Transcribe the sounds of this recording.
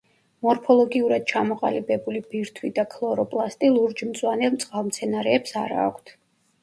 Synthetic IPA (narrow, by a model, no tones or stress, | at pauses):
mɔɾpʰɔlˠɔɡiuɾad̪̥̚t͡ʃʰamɔqʼalibɛbulib̥iɾt̪ʰwid̪akʰlˠɔɾɔpʼlˠast̪ʼilˠuɾd͡ʒmt̪sʼwanɛlˠmt̪sʼqʼalˠmt̪sʰɛnaɾɛːpsaɾa̰ːkʷʰt̪ʰ